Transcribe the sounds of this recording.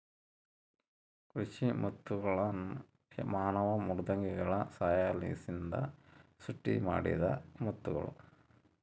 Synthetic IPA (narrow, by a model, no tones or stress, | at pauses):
kɾuɕimut̪ːuɣɐɭɐn | maːnɐʋɐmurud̪ɐŋɡiɣɐɭɐsaːjaːlḭːsind̪ɐ̰suʈːḭma̰ːɽḭðɐ̰mut̪ːuɣɐ̰ɭṵ